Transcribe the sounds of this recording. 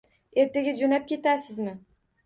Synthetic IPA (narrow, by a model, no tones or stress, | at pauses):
e̞ɾt̪ʰaɡʲad͡ʒonap̚kʲe̞t̪asɪzmɪ